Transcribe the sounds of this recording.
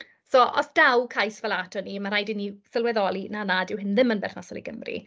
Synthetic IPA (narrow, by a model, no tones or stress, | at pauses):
sɔʔɔ̰sd̥awkʰajsvalˠatʰɔnimaɾajdɪnːisəlˠwɛðɔlinanadɪwɦɪnðɪmənbɛrnasɔlḭɡəmrḭ